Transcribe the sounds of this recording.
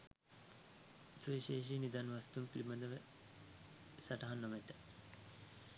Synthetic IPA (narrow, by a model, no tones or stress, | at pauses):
suiʃeːʃ̬inid̪anʋast̪umpilimɐd̪əʋə | saʈɐɦanːomet̪ə